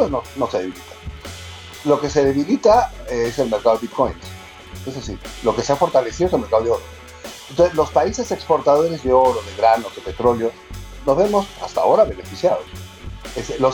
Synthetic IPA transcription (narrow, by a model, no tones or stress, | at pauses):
pwenono̞seðeilit̪ḁ | lo̞ke̞se̞ðe̞βilit̪aeese̞lmeɾkaðo̞it̪̚ko̞jns | ezðesiɾlo̞ke̞seafo̞ɾt̪ale̞siðoselmeɾkaðoeo̞ɾo | ent̪osezlo̞spaise̞se̞kspo̞ɾt̪að̞o̞ɾe̞zðe̞o̞ɾoðe̞ɣɾano̞zðepe̞t̪ɾo̞ljo̞ | no̞zβe̞mo̞sa̰st̪a̰o̞ɾaβe̞ne̞fisjaðo̰s | eselo